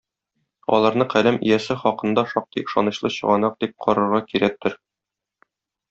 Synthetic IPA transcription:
ɒ̰lˠɑɾnɤɴqælæmḭjæsɘχɒqɤ̆nd̪ɑʃɒq̚t̪iɤ̆ʃɑ̰nɤ̆ɕlˠɤɕɤ̆ʁɑnɑq̚d̪̥ip̚qʰɒɾɤ̆ɾʁɑkiɾæk̚t̪ɘɾ

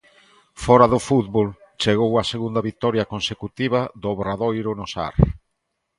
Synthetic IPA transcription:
fɔɾɐðʊfuðβolt͡ʃeɣowɐseɣund̪ɐβit̪ɔɾjɐkonsekut̪iβ̞ɐðoβɾaðojɾʊnosa̰ɾ

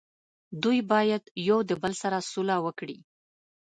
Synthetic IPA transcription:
d̪ujbɑjad̪jowd̪əbalsaɾasulawəkɽi

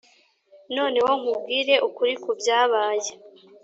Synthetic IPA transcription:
no̞ːne̞woŋ̥ub̚ɡiːɾe̞ʔukuɾikubjaːβaːje

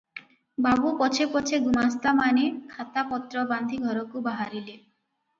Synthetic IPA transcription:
babupɔt͡ʃʰepɔt͡ɕʰeɡumast̪amanekʰat̪apɔt̪ɾɔband̪ʱiɡʱɔɾɔkubaɦaɾile

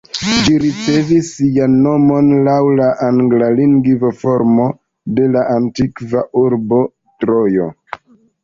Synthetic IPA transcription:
d͡ʒiɾit͡se̞visːijanːo̞mo̞nlawlaʔaŋɡlaliŋɡvofo̞ɾmo̞ | de̞laʔantikvaʔuɾbo̞ | tɾo̞jo̞̰

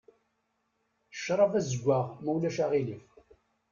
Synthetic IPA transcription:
ʃːɾˤɑvæzəɡʷːaʁmæwlæʃaʁiləf

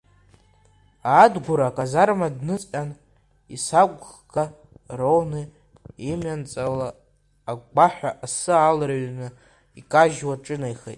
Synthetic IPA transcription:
aːdɡʷuɾakʼazarmadnɨt͡sʼʲan | isakʷʼχɡʰa | rownɨ | imant͡sʼalaː | ɡʷaħᶣʷaʔasɨalɾaɥnɨ | ikʼaʒwaʈ͡ʂʼɨnajχḛtʼ

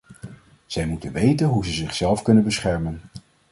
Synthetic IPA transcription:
z̥ɛjmutənʋejtənɦuzəzɪχsɛlˠfkɵnənbəsχɛɹmən

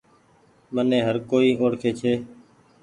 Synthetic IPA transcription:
mənẽːɦəɾkoːiːʔoːɽkʰeːt͡ʃʰeː

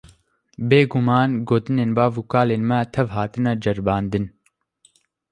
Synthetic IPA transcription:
beːɡumɑːnɡoːt̪ɨneːnbaːvuːkaːleːnmɛt̪ʰɛvɦaːt̪ɨnɛd͡ʒɐɾbɑːnd̪ɨn

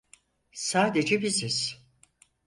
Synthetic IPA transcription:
saːd̪e̞d͡ʒɛbiziz̥

